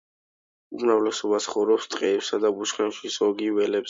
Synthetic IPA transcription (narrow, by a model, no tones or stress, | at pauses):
unavlɛsɔbasʰχɔvɾɔpst̪ʼqʼɛɛpsad̪abuʃχɛnʃisɔɡivɛlɛps